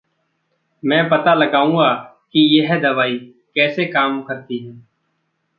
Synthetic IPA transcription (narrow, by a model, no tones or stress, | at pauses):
mɛ̃ːpət̪aləɡaːũŋɡaː | kijəɦɛd̪əʋaːiː | kɛːsekaːmkəɾt̪iɦɛː